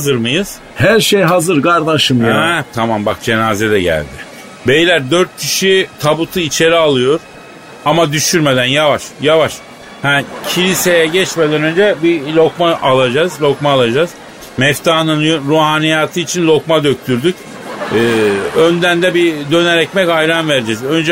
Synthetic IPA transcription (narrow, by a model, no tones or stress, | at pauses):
azɯɾmɯjɯz̥ | hæɾʃejɦazɯɾkaɾd̪aʃɯmjaɛt̪ʰamambak̚d͡ʒe̞naːzɛd̪ɛɟæ̰lʲd̪ɪ | bejlʲæɾd̪øɾt̪̚cʰiʃit̪ʰabut̪ʰɯit͡ʃʰe̞ɾialˠɯjo̞ɾ̥ | amad̪yʃyɾme̞d̪ænjavaʃjavaʃ | hæcʰilʲise̞jɛɟɛt͡ʃme̞d̪ænø̞nd͡ʒɛbilʲo̞kmaʔalˠad͡ʒazlʲo̞kmaːlˠad͡ʒaːz̥ | mɛft̪ʰaːnɯnɾuɦaːnijaːt̪ʰɯit͡ʃʰinlʲo̞kmad̪ø̞c̚t̪ʰyɾd̪yc | ɯːønd̪ænd̪ɛbid̪ø̞nɛɾɛcmɛcajɾanveɾd͡ʒɛzø̞nd͡ʒɛ